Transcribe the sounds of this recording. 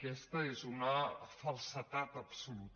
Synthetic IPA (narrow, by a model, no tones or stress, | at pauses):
kɛst̪əezunəfəlˠsət̪at̪əpsulut̪